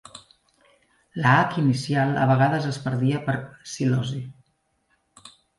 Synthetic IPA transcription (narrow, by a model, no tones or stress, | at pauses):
ləakinisialˠə̰β̞əɣaðəzəspəɾðiəpəɾsilɔzi